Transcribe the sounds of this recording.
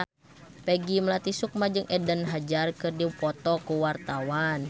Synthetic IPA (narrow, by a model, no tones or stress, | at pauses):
pɛɡiməlat̪isuk̚mad͡ʒɨŋɛdənɦad͡ʒarkɨrdipɔt̪ɔkuwart̪awan